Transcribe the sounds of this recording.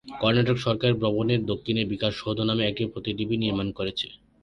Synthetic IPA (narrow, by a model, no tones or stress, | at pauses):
kɔɾnaʈokʃɔɾkaɾeɾpɾɔboneɾd̪okʰːineɾbikaʃood̪ʱonameɛk̚ʈipɾot̪iʈibiniɾmankoɾet͡ɕʰe